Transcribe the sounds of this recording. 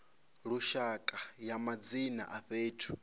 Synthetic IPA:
ɺuʃakʼajamad͡zina̰ʔaɸeːtʰu̥

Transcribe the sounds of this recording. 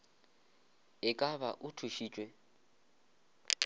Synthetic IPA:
ɪkʼabaʔʊtʰuʃiːt͡ʃʼwɛ

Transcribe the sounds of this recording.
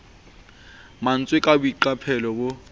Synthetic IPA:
man̩t͡sʼwɪkʼabʊiǃapʰɛlɔbʊ

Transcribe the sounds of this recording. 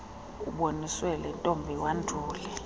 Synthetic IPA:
uɓoniswɛlɛntʼombʱiwandʱuːlɛ

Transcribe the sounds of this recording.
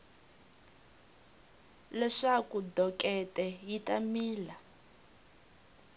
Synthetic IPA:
lɛʂakudɔkʼɛtɛjitʼamiːla

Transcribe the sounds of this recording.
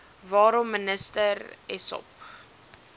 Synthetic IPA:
vɑːɾɔmːənəstərɛsɔ̰p

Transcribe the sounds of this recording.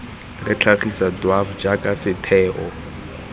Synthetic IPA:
rɪt͡ɬʰaχisadwafd͡ʒakʼasɪtʰɛːʔɔ

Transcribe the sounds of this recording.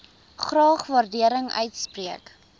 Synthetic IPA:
χrɑːχvɐrdiəɾəŋœ̰ɥtspriək

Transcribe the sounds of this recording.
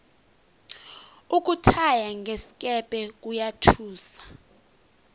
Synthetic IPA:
uk̬ʼutʰajaŋɡʱesi̥kʼɛpʼɛk̬ʼujatʰuːsḁ

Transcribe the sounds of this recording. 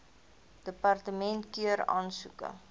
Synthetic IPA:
d̥əpɐrtəmɛntkiəɾɑ̰ːnsukə̰

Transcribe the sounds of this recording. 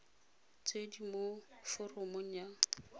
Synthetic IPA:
t͡sʼedimofʊrʊmʊɲ̩a

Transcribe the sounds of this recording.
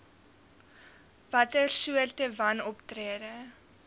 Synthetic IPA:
v̥ɐtərsuərtəvɐnɔptriədə

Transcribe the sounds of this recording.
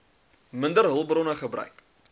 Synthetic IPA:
məndərɦəlˠbrɔnəχəbrœ̰ɥk

